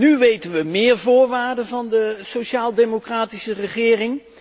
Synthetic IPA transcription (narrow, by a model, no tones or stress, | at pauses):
nyʋejtənʋəmɪːɹvʊːɹʋaːɹdənvɑndəsoʃaːlˠdemokraːtisərəχɪːrɪŋ